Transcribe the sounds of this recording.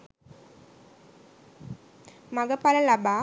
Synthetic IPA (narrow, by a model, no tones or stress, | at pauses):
mɐɡɐpalɐlabaː